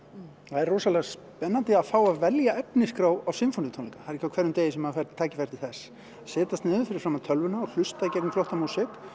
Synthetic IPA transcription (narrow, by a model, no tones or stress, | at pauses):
θaðɛroːsalɛɣs | pɛnːant̪ɪafaːwavɛljaɛpnɪskɾawawsɪmfonɪɪt̪ʰoniŋkḁhaðɾi̥çcːawkʰvɛɾːʏmt̪eːjɪsɛmhafaɾt̪t̪ʰaːcɪ̥fɛjɾ̥t̪iθɛsː | sɛːt̪ast̪nɪːðʏfɪɾɪ̥ɾfɾaːmaðt̪ʰœlvʏnaɔl̥ʏst̪aɪcɛɾknɪflɔht̪amuːsɪk